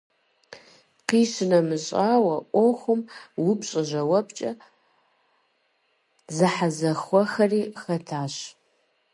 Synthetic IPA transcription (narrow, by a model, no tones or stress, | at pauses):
qiːʃɨnɐmɨɕʼaːwɐʔʷoxʷʊmwʊpɕʼɐʑɐwɐpt͡ʃʼɐ | zɨħazɐxʷɔxɐriːxɐtʰaːɕ